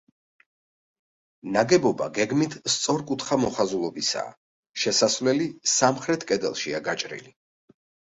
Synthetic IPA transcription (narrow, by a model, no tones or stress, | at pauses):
naɡɛbɔba̰ɡɛɡmit̪ʰst̪sʼɔɾkʼut̪ʰχamɔχazulˠɔbisa̰ː | ʃɛsasvlɛlisamχɾɛt̪ʰkʼɛd̪ɛ̰lˠʃiaɡat͡ʃʼɾḭli